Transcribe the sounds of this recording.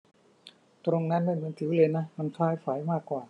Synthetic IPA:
t̪ɾo˧ŋna˦˥nma˥˩jmɯ˧˦nt̪ʰɯː˩˦lɤː˧jna˦˥ma˧nfʰaː˦˥jfaː˩˦jmaː˥˩kːwaː˨˩

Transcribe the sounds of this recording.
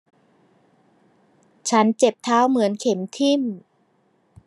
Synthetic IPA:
t͡ɕʰa˦˥nt͡ɕe˨˩p̚t̪ʰaː˦˥wmɯ˩˦ənkʰe˩˦mt̪ʰi˥˩m

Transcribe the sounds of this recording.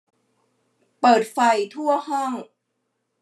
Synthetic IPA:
pɤː˨˩t̪̚fa˧jt̪ʰu˥˩ɐəɦɔ˥˩ŋ

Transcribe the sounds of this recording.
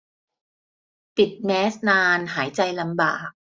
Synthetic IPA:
p̪i˨˩t̪̚mɛː˦˥snaː˧nɦaː˩˦jt͡ɕa˧jla˧mbaː˨˩k̚

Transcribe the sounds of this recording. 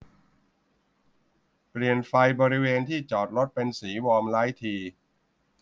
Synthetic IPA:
pli˨˩ənfa˧jbɔː˧ɾi˦˥weː˧nt̪ʰiː˥˩t͡ɕɔː˨˩t̪̚ɾo˦˥t̪̚pe˧nsiː˩˦wɔː˧mlaː˦˥jt̪ʰiː˧

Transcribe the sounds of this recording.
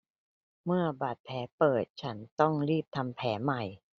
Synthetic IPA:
mɯ˥˩ɐba˨˩t̪̚pʰɛː˩˦pɤː˨˩t̪̚t͡ɕʰa˦˥nt̪ɔ˥˩ŋɾiː˥˩p̚t̪ʰa˧mpʰɛː˩˦ma˨˩j

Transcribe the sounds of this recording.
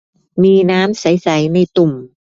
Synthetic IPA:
miː˧naː˦˥msa˩˦jsa˩˦jna˧jt̪u˨˩m

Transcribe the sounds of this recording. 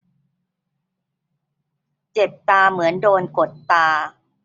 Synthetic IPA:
t͡ɕe˨˩p̚t̪aː˧mɯ˩˦əndoː˧nko˨˩t̪ːaː˧

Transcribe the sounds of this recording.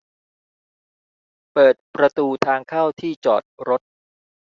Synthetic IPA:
pɤː˨˩t̪̚pɾa˧t̪uː˧t̪ʰaː˧ŋkʰaː˥˩wt̪ʰiː˥˩t͡ɕɔ̰ː˨˩t̪̚ɾo˦˥t̪̚

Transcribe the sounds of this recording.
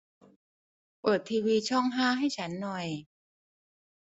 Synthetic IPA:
pɤː˨˩t̪ʰːiː˧wiː˧t͡ɕʰɔ˥˩ŋɦaː˥˩ɦa˥˩jt͡ɕʰa˦˥nːɔ˨˩j

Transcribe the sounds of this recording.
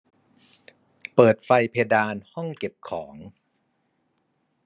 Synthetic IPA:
pɤː˨˩t̪̚fa˧jpʰe˧daː˧nhɔ˥˩ŋke˨˩p̚kʰɔː˩˦ŋ

